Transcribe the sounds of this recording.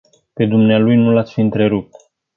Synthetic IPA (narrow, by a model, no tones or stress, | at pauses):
pe̞d̪umnealujnulat̪sʲfiɨnt̪ɾe̞ɾup̚t̪